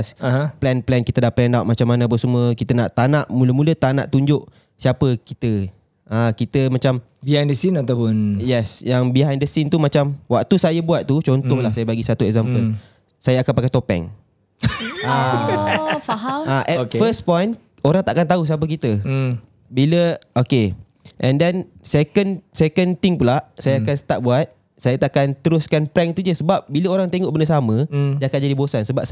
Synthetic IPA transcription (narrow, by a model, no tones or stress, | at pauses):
saɦaplɛnplɛnkit̪ədapɛndawt̪̚mat͡ʃamːanaːp̬əsumuəkit̪ənaʔt̪anaʔmuləmũlət̪ana̰ʔt̪uɲd͡ʒʊʔ | siapəkit̪ə | akit̪əmãt͡ʃam | biajndəsinat̪apʊnjɛsjaŋbiɦajndəsint̪umat͡ʃamwakt̪usajəbuat̪̚t̪ːut͡ʃont̪ɔhlahsajəbaɡisat̪uɛk̚zampəl | sajəakanpakajt̪opɛ̰ŋ | a | aɦaaʔɛfəspɔjn | oɾaŋt̪aʔakant̪aus̬ap̬ək̬it̪ə | biləoke | ʔɛ̃ndɛnsekənsekənt̪ɪŋpulaʔsajaakansə̥t̪aʔ̚buat̪̚ | sajat̪aʔkant̪əɾʊskanpɾɛŋt̪ud͡ʒəsəbap̚biləoɾaŋt̪eŋɔʔ̚bəndəsamə̃d͡ʒakat̪̚d͡ʒadibosansəbap̚